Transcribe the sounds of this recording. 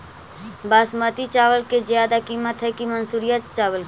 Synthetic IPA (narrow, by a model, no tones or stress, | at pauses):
baːsmət̪it͡ʃaːʋəlked͡ʒjaːd̪akiːmət̪ɦɛkimənsuːɾijət̪t͡ʃaːʋəl